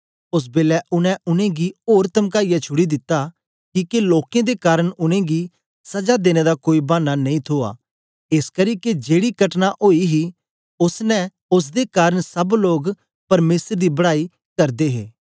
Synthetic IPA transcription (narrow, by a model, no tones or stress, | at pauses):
ʊs̬beːlɛʔʊnɛ̃ʔʊnẽɡioːɾt̪ɐmkaːijat͡ʃʰʊɽid̪ɪt̪ːa | kiːkeloːkẽd̪ekaːɾəɽ̃ʊnẽɡi | sɐd͡ʒad̪eːñed̪akoːibãːnːanɐĩːt̪ʰoːa̰ː | ɪskɐɾiːked͡ʒeːɽikɐʈnaʔoːiɦi | ʊsnɛ̃ | ʊs̬d̪ekaːɾəɽ̃sɐbloːɡ | pɐɾmeːsəɾd̪ibɐɽaːi | kɐɾd̪eɦḛː